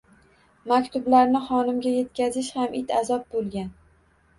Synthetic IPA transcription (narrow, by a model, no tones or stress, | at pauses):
makʲt̪ʊblaɾnɪχɒnɪmɡʲaje̞t̪kʲazɪʃhamʔɪt̪ʰa̰zɒp̚bolˠɡʲan